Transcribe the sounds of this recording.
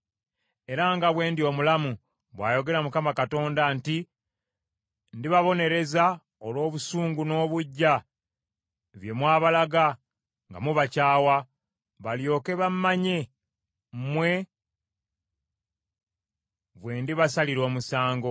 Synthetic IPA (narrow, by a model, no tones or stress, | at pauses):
e̞ɾaŋɡaβwe̞ːndio̞ːmulamu | βwaːjo̞ɡe̞ɾamukamakato̞ːndanti | ndiβaβo̞ne̞ɾe̞za | olwo̞ːβusuːŋɡuno̞ːβuɟːa | βje̞mwaːβalaɡa | ŋɡa̰muβacaːwa | βaljo̞ːke̞βammːaɲe̞ | mwe̞ | βwe̞ːndiβasaliɾo̞ːmusaːŋɡo̞